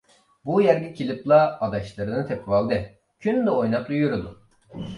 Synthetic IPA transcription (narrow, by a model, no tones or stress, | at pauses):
bujæɾɡʲicʰilʲiplˠaːd̪aʃlˠaɾɯnɯt̪ʰɛpvalˠd̪ɛ | cʰynyd̪ɛojnaklˠujyɾyd̪ʊ